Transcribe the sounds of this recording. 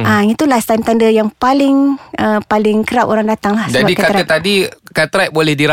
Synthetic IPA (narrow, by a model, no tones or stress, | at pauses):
ait̪ulast̪ant̪andəjaŋpalɪŋəpalɪŋkəɾapoɾaŋdat̪aŋlahsəd͡ʒabadikakat̪ɾaət̪adikat̪ɾat̚bolɛhdiɾa